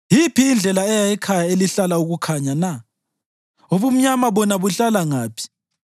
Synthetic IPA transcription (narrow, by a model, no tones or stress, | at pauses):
jipʰiːnd͡ɮʱɛlaɛjajɛkʰajaeliɬalauɣukʰaɲana | oβum̩ɲamaβɔnaβuɬalaŋaːpʰi̥